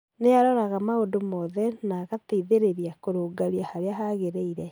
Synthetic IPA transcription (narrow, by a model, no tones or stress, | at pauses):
neaɾɔɾaɣamaodomɔðɛnaɣateiðeɾeɾiakoɾoːɡaɾiahaɾeaɦaɣeɾeiɾɛ